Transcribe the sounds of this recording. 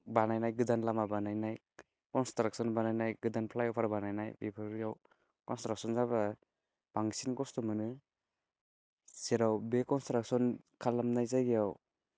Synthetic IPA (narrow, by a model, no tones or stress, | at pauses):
banajnajɡɯdanlamabanajnaj | kɔnstɾak̚sɔnbanajnajɡɯdanpʰlajawpʰaɾbanajnajbepʰɯɾijaw | kɔnstɾak̚sɔnzaba | b̥aŋsinkɔstɔmɯnɯ | seɾawbekɔnstɾak̚sɔn | kʰalːamnajzajɡijaw